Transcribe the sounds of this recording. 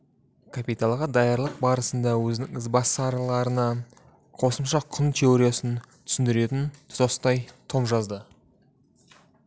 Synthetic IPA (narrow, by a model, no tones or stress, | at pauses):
kʰapijt̪alˠʁɑd̪ɑjɑɾlˠəq̚bɑɾəsənd̪ɑwɵzɪnɪŋɪzbɑsːɾlˠɑɾənɑ | qʰo̞səmʃɑqʰʊnt̪ʲʰe̞oɾijasənt̪ʰʏ̥sɪnd̪ɪɾe̞t̪ɪnʰzost̪ɑjt̪ʰo̞mʒɑzd̪ə